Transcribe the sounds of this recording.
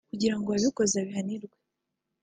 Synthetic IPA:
kuɟiɾaŋɡoaβiko̞zeaβiɦaniɾɡwe

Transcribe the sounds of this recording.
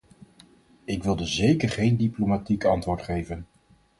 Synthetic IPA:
ɪkʋɪlˠdəzejkəɹχejndiplomatikɑntʋʊːɹtχejvən

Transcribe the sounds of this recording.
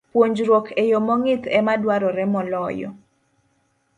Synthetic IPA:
pwoɲd͡ʒɾwokʰejomɔŋɪt̪ɛmadwaɾɔɾɛmɔlɔjɔ̰

